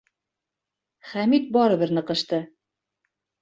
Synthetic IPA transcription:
χæmit̪̚bɒɾɤ̆βɘɾnɤ̆qɤ̆ʃt̪ɤ

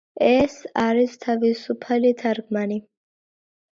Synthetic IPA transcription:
ɛsaɾist̪ʰavisupʰalit̪ʰaɾkʰmani

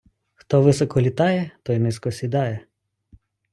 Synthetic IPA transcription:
xt̪ɔʋɪsɔkɔlʲit̪ɑjɛt̪ɔjnɪskɔsʲid̪ɑjɛ

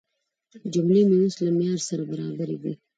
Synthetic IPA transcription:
d͡ʒʊmlimeuslamjɑːɾsɐɾabaɾɑːbaɾibḭ

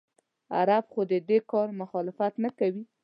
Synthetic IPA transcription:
a̰ɾabxod̪əd̪ekɑɾmʊxɑlɪfat̪nakawi

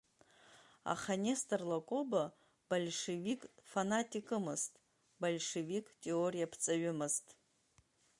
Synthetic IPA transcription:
a̰χanʲestʼɨrlakʷʼoba | balʲʂevikʼfanatʼikʼɨmɨztʼ | balʲʂevikʼtʼe̞orijapʰt͡sʼaɥʊmɨztʼ

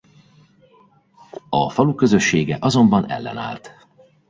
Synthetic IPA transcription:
ɒfɒlukøzøʃːeːɡɛʔɒzo̞mbɒnɛ̰lːɛ̰na̰ːlt̪

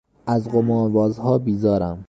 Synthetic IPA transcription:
ʔæzɢomɒːnvɒːzhɒːbiːzɒːɾæm

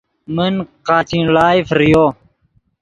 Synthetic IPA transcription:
mənqaːt͡ɕĩlaːjfɾijo

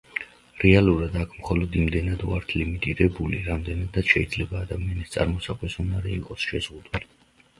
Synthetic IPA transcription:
ɾɛalˠuɾad̪akʰmχɔlɔd̪imd̪ɛnad̪uaɾt̪ʰlimit̪ʼiɾɛbuliɾamd̪ɛnad̪ːad̪̥ʃɛid̪zlɛbaːd̪amianist̪sʼa̰ɾmɔsaqʼwɛsunaɾɛiqʼɔsʃɛz̥ʁud̪uli

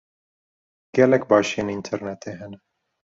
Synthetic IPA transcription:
ɡ̥ɛlɛkbɑːʃijeːnint̪ʰɛɾnɛt̪ʰeːɦɛnɛ

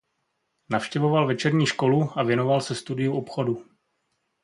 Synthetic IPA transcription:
nafʃcɛvovalvɛt͡ʃɛɾɲiːʃko̞luavjɛno̞valsɛst̪udɪjuʔopxo̞du

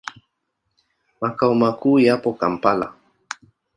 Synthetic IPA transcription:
makaumakuːjapokampala̰

